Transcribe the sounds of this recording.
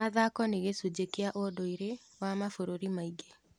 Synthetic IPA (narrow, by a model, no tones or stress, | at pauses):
aðakɔneɣesud͡ʑekeaʔodoiɾe | wamafoɾoɾimaiɡe